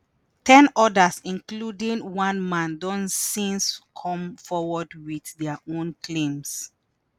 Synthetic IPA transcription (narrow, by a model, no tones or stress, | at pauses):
tʰɛ̃nɔdasĩnkludĩŋwãnmãndɔ̃nsĩnskʰɔ̃mfɔwɔdwiθdɛaʔõnkʰlẽms